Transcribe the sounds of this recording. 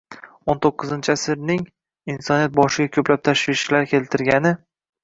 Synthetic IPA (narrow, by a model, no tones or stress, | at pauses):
ont̪ʰoqːɨzɪnt͡ʃʰɪasɪɾnɪŋ | insɒnijat̪̚bɒʃɪɡʲakʲʰɵplap̚t̪ʰaʃvɪʃlaɾkʲʰe̞lt̪ʰɪɾɡʲanɪ